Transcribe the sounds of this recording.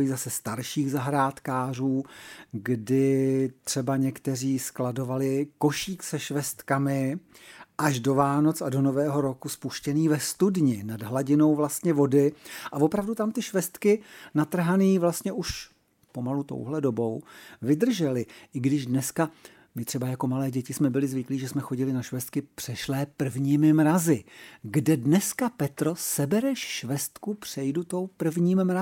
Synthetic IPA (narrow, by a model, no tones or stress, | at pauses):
izasɛst̪aɾʃiːɣzaɦɾaːt̪kaːr̝uːɡdɪt̪r̝̥ɛbaɲɛkt̪ɛr̝iːsklado̞valɪko̞ʃiːksɛʃvɛst̪kamɪ | ʔaʒdo̞vaːno̞t͡sado̞no̞vɛːɦo̞ɾo̞kuspuʃcɛniːvɛst̪udɲɪnadɦlaɟɪnowvlast̪ɲɛvo̞dɪʔavo̞pɾavdut̪amt̪ɪʃvɛst̪kɪnat̪r̩ɦaniːvlast̪ɲɛʔuʃ | po̞malut̪o̞̰wɦlɛdo̞bo̞wvɪd̪r̩ʒɛlɪʔɪɡdɪʒdnɛska | mɪt̪r̥ɛbajako̞malɛːɟɛcɪsmɛbɪlɪzvɪkliːʒɛsmɛxo̞ɟɪlɪnaʃvɛst̪̚kɪpr̝̥ɛʃlɛːpr̩vɲiːmɪmɾazɪɡdɛdnɛskapɛt̪ɾo̞sɛbɛɾɛʃʃvɛst̪kupr̝̥ɛjdut̪o̞wpr̩vɲiːmmɾa